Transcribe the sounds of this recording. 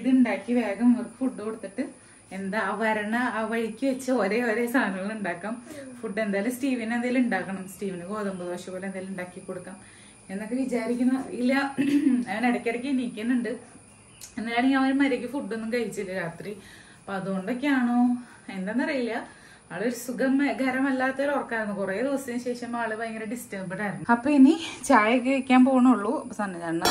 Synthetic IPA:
iðɨuɳɖaːkːiʋeːɣɐmɐrkːɨ̥fuɖːɨkoɽut̪ːiʈːɨ | end̪aʋɐɾɐɳɐaːʋɐɻikʲːɨʋet͡ɕːɐoɾe̞oɾe̞st̪ʰaːnɐŋɐɭuɳɖaːkːaːmfuɖːend̪aːlumsʈiːʋɐnend̪ejaluɳɖaːkːɐɳɐmsʈiːʋɐnɨɡo̞ːðɐmbɐðubɐʂjɐmboːlend̪ejːluɳɖaːkːikːo̞ɽukːaːm | e̞nːokːeʋit͡ɕaːɾik̬ʲːunːɐilːɐɐʋɐneɽɐkʲːɐɽɐk̬ʲːiniːkʲːunːuɳɖɨ | enːɐjaːneŋɡlɐʋɐɾumɐɾekːɨfuɖːenːumkɐjit͡ɕːilːɐɾaːt̪ri | ɐpoɐðuɣo̞ɳɖokːeaːɳoː | e̞nd̪enːɐrɐjilːɐ | aːɭoɾusuɡɐmɡʱɐɾɐmɐlːaːt̪ːɐlorɐkːaːɾɐnːukureːd̪iʋɐsɐɕe̞ːʂɐmaːɭɨpɐjeŋːɐleɖistɐbɐɳːaːiɾunːɐpːoːinit͡ɕaːjɐkːɨekʲːaːmpo̞ːɣɐɳmuɭːusɐnːɐðaːɳːɐ

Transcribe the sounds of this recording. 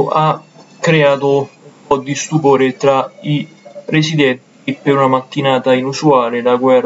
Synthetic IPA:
ʔakɾeaːt̪ʊupɔd̪ːist̪upoːɾɪt̪ɾaiɾesid̪ɛnt̪ipɪɾunamat̪ːinaːt̪ainusuaːlɪlaɡwɛr

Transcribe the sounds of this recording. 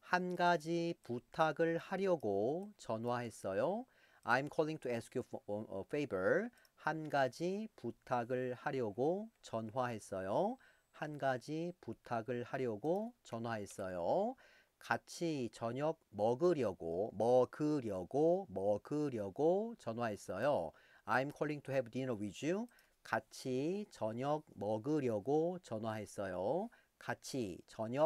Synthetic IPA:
hanɡad͡ʑiputʰaɡɯɭhaɾjʌɡot͡ɕʌnwaɦe̞s͈ʌjo | ajimkʰʌɭːiŋtʰuesʰɯ̥kʰjufejbʌɭ | hanɡad͡ʑiputʰaɡɯɭhaɾjʌɡot͡ɕʌnɦwaɦe̞s͈ʌjo | hanɡad͡ʑiputʰaɡɯɭhaɾjʌɡot͡ɕʌnɦwaɦe̞s͈ʌjo | kat͡ɕʰit͡ɕʌɲʌk̚mʌɡɯɾjʌɡomʌɡɯɾjʌɡomʌɡɯɾjʌɡot͡ɕʌnɦwaɦe̞s͈ʌjo | aimkʰoɭːiŋtʰoɦebudiɾʌɥid͡ʑu | kat͡ɕʰit͡ɕʌɲʌk̚mʌɡɯɾjʌɡot͡ɕʌnwaɦe̞s͈ʌjo | kat͡ɕʰit͡ɕʌɲʌ

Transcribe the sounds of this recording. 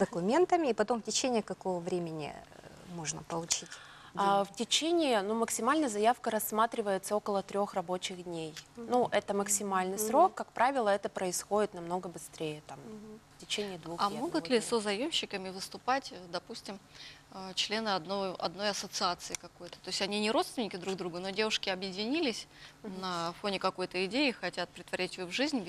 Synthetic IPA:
d̪əkʊmʲe̞nt̪əmʲɪːpɐt̪o̞mftʲɪt͡ɕenʲɪːkɐkovəvɾʲemʲɪnʲɪ̰ | moʐnəpəlˠʊt͡ɕitʲ | aftʲɪt͡ɕenʲɪnuməksʲɪmalʲnəjəzɐjafkəɾɐsːmat̪ɾʲɪvəjɪt̪səo̞kəlˠət̪ɾʲo̞xrɐbo̞t͡ɕɪɣd̪ʲnʲejnuʔɛt̪əməksʲɪmalʲnɨjsɾo̞kːakpɾavʲɪlˠəɛt̪əpɾəɪsxo̞dʲɪt̪nɐmno̞ɡəbɨst̪ɾʲejət̪amftʲɪt͡ɕenʲɪɪd̪vuxɐmo̞ɡʊlʲɪsəzɐjo̞mɕːɪkəmʲɪvɨst̪ʊpatʲəd̪ɐpusʲtʲɪmət͡ɕlʲe̞nɨɐd̪noʔɐ̰d̪no̞jɐsət̪sɨat̪sɨɪkɐko̞jt̪ə̥t̪o̞ɪsʲtʲɐnʲinʲɪɾot̪st̪vʲɪnʲɪkʲɪd̪ɾuɡ̚d̪ɾuɡəno̞dʲe̞vʊʂkʲɪɐbjɪdʲɪnʲilʲɪsʲnɐfo̞nʲɪkɐko̞jt̪əɪdʲeɪxɐtʲat̪̚pɾʲɪt̪vɐɾʲætʲɪjovʐɨzʲnʲ

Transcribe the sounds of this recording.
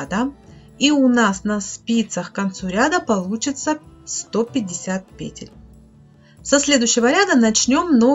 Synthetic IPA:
d̪ə | iʊnasnɐspʲit̪səxkɐnt̪suɾʲad̪əpɐlˠut͡ɕɪt̪səst̪o̞pʲɪdʲːɪsʲat̪̚pʲḛtʲɪ̰lʲ | sɐsʲlʲe̞d̪ʊɕːɪvəɾʲad̪ənɐt͡ɕnʲo̞mno

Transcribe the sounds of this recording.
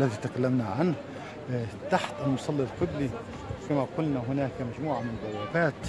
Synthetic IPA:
lːæðit̪akalːamnaʕanh | t̪aħt̪ʔalmʊsˤɑlːilqɪbli | kamaqʊlnaɦʊnaːkmaʒmuːʕamɪnəd̪ˤɑwːabaːt̪

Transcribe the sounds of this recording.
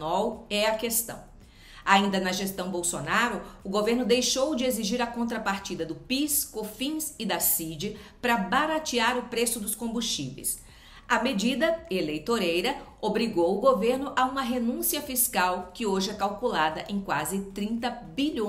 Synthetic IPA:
ɔwɛɐkest̪ɐ̰̃w̃ | aĩnd̪ɐnɐʒest̪ɐ̃w̃bowsonaɾʊʊɡoveɾnʊd̪ejʃowd͡ʒɪeziʒiɾɐkõnt̪ɾɐpaɾt͡ʃid̪ɐd̪ʊpiskofĩsɪd̪ɐsid͡ʒɪpɾɐbaɾat͡ʃiaɾʊpɾesʊd̪ʊskõbust͡ʃḭvḛjs | ɐmed͡ʒid̪ɐelejt̪oɾejɾɐobɾiɡowʊɡoveɾnʊʔɐũmɐɦenũsiɐfiskawkɪoʒɪɛkawkulad̪ɐʔẽj̃kwazɪt̪ɾĩnt̪ɐ | biʎõ

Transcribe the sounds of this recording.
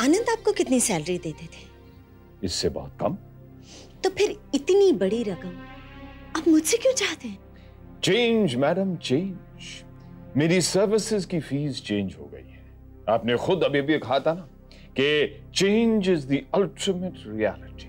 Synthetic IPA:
aːnə̃nd̪aːp̚kokɪt̪nisɛːləɾid̪eːt̪et̪ʰe̥ː | ɪsːebɔ̰ːʊt̪̚kɐ̰m | t̪opʰɪɾɪt̪nibɐɽiɾɐkəm | ɐbmʊd͡ʒsekjõːt͡ʃaːɦt̪eɦɛ̃ː | t͡ʃẽːnd͡ʒmɛːɖəmt͡ʃẽːn | d͡ʒ | meːɾisɐɾʋɪsɪzkifiːzt͡ʃẽːnd͡ʒɦo̰ːɡɐ̰ḭɦɛː | aːpnexʊd̪ɐbiebʱiekɐɦat̪ʰana | ke | t͡ʃẽːnd͡ʒɪzd̪iɐlʈɪmeʈɾiɛ̰ːlɪʈi̥

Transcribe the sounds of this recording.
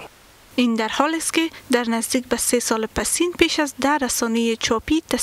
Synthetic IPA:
ind̪aɾhɔlɪst̪kɪd̪aɾnazd̪ik̚basesɒlɪpasinpeʃazd̪aɾasɔnejɪt͡ʃʰɒpit̪a

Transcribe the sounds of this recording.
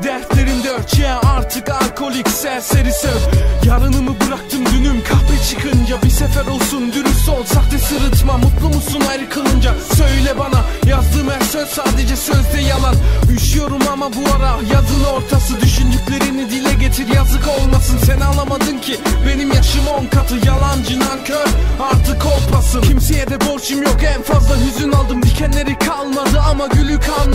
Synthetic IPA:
d̪æɾslʲe̞ɾind̪ɛøt͡ʃʰɛjɛaɾt̪ʰɯkalʲkʰo̞lʲicsæɾseɾisøvjaɾɯnɯmɯbɯɾak̚t̪ʰɯmd̪ynymkʰapɯt͡ʃʰɯkʰɯnd͡ʒabisefæɾo̞lˠsund̪yɾyfso̞lˠsak̚b̪isɯɾɯt̪mamut̪lˠumusunaɾɯkʰɯlˠɯnd͡ʒasølʲɛbanajazd̪ɯːmæɾsøz̥saːd̪e̞d͡ʒɛsø̞zd̪ɛjalˠanjyʃyjo̞ɾumamabuaɾajazɯlˠɯo̞ɾt̪ʰasɯd̪yʃynd̪ycʲlʲe̞ɾinid̪ilʲɛɟe̞t̪ʰiɾjazɯko̞lˠmasɯnsenialˠamad̪ɯmcʰibe̞nimjaʃɯmonkʰat̪ʰɯjalˠand͡ʒɯnacʰøɾaɾt̪ʰɯkʰolˠpʰasɯcʰimsejed̪ɛbo̞ɾt͡ʃʰɯmjokɛnfazlˠaɦyzynalˠd̪ɯmd̪icʰɛnlʲe̞ɾikʰalˠmad̪ɯamaɟylʲycʰalˠm

